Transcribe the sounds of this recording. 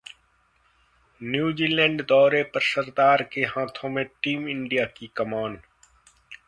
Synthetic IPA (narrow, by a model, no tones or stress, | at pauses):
njuːd͡ʒiːlɛ̃ːɳɖd̪ɔːɾepɐɾsəɾd̪aːɾkeɦãːt̪ʰõmẽʈiːmɪ̃ɳɖijakikɐmãːɳɖ